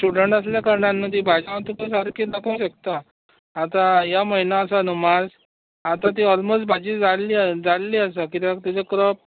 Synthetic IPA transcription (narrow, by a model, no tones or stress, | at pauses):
t͡ɕuɽəɳʈas̬ljakəɾɳanːət̪̬iːbʱad͡ʑãʋt̪ukəsaɾkiːtnəkəwɕəkt̪aː | t̪ãjaməinaːsanumad͡z | at̪ãt̪̬iːɔlmosʈ̚bʱad͡ʑiːd͡zaliːd͡zallːiːəsəkit̪jãkt̪it͡səkɾɔp̚